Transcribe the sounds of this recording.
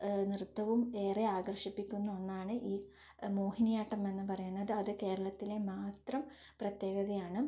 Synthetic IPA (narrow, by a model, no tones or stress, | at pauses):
nirɨt̪ːɐʋume̞ːreaːɡrʂipːikʲːunːuo̞nːaːɳɨʔiː | mo̞ːhinijaːʈːɐme̞nːɨpɐrɐjunːɐðɨɐðɨke̞ːɾɐɭɐt̪ːile̞maːt̪rɐm | prɐt̪je̞ːɡɐðɐjaːɳɨ